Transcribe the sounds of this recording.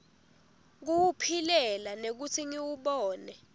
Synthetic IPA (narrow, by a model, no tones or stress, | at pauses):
k̬uwupʰilɛlanek̬utʰiŋiwuɓɔːnɛ